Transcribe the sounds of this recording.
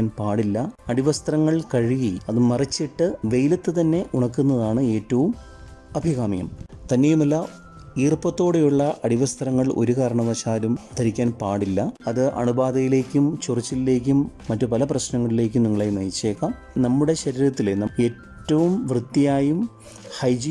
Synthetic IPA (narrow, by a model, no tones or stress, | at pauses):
npaːɽilːɐɐɽiʋɐst̪rɐŋːɐɭkɐɻiɣiɐðɨmɐrit͡ɕːiʈːɨʋe̞jlɐt̪ːɨt̪ɐnːe̞ʔuɳɐkːunːɐðaːɳɨe̞ːtːɐʋum | ɐbʱiɣaːmijɐ̰mt̪ɐnːe̞jumɐlːa | iːrpɐt̪ːo̞ːɽejuɭːɐʔɐɽiʋɐst̪rɐŋːɐɭo̞ɾukɐːɾɐɳɐʋɐɕaːlumt̪ʰɐɾikʲːaːnpaːɽilːɐɐðɨʔɐ̰ɳubaːd̪ɐjile̞ːkʲːumt͡ɕurit͡ɕːile̞ːk̬ʲːumːɐtːɨpɐlɐprɐɕnɐŋːɐɭile̞ːk̬ʲːumniŋːɐɭejnɐjt͡ɕːeːkːɐ | nɐmːuɽe̞ɕɐɾiɾɐt̪ːilenɐe̞ːtːɐʋumʋrɨt̪ːijaːjum | hɐjd͡ʑi